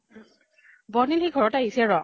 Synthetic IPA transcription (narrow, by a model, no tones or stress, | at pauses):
bɔnilhiɡʱɔɹɔtaɦisɛɹɔ